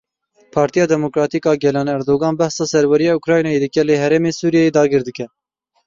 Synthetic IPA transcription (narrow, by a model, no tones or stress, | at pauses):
pʰɑːɾt̪ijɑːd̪ɛmokɾɑːt̪iːkɑːɡɛlɑːnɛɾd̪oːɡɑːnbɛhsɑːsɛɾwɛɾijɑːukɾɑːjnɑjeːd̪ɨkʲɛləɦɛɾemeːsuːɾijɛjeːd̪ɑːɡɨɾd̪ɨkɛ